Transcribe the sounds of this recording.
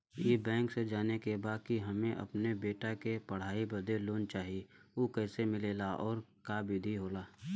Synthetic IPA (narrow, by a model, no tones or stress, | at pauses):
jeːbɛ̃ːŋksed͡ʒaːnekebaːd̪̚kiɦɐmẽʔɐ̰pnebeːʈakepɐɽ̤aːibɐd̪eloːnt͡ʃaːɦieoːkɛːsemɪleːlaʔɔːɾkaːbʱɪd̪ʱiɦoːlaː